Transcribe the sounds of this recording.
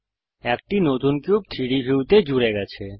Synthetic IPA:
ɛk̚ʈinot̪unkjub̚t̪ʰiɽibiwt̪ed͡ʒuɾɛɡat͡ʃʰe

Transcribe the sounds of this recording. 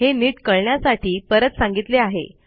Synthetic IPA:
ɦeniːʈkəɭɳjasaʈʰiːpəɾət̪sãŋɡit̪leaɦḛ

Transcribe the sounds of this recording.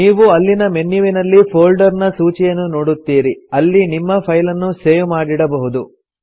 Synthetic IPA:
niːʋuɐlːinɐme̞nːjuʋinɐlːipʰoːlɖɐɾnɐsuːt͡ʃijɐnːunoːɽut̪ːiːɾiɐlːinimːɐpʰɐjlɐnːuseːʋmaːɽiɽɐbɐɦud̪u

